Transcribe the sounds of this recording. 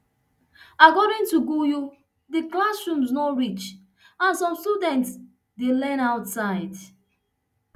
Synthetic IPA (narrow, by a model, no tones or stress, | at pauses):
akɔɾɪ̃ŋtuɡuju | diklasɹũmsnɔɹit͡ʃ | ãnsɔ̃mstudɛ̃nts | delɛ̃naʊtsaɪd